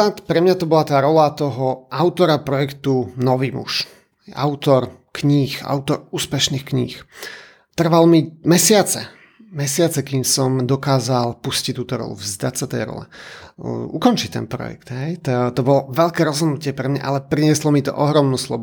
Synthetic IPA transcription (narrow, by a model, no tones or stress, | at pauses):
at̪pɾɛmɲat̪ɔbɔlat̪aːɾɔlat̪ɔɦɔʔaʊt̪ɔɾapɾɔjɛkt̪unɔʋiːmṵʃ | a̰ʊt̪ɔɾ | kɲiːxa̰ʊt̪ɔɾuːspɛʃniːxkɲḭːx | t̪r̩ʋalmimɛsɪat͡sɛ̰ | mɛsɪat͡sɛkiːmsɔmd̪ɔkaːzalpuscitt̪ːuːt̪ɔɾɔ̰lṵvzd̪acsat̪ɛ̰jɾɔ̰lɛ̰ | ukɔnt͡ʃit̪ɛ̰npɾɔ̰jɛ̰kt̪ɦɛjt̪t̪ɔbɔlɔʋɛʎkɛːɾɔzɦɔd̪nucɪɛpɾɛmɲa̰ʔalɛpɾiɲɪɛslɔmit̪ɔ̰ʔɔɦɾɔmnuːslɔ̰b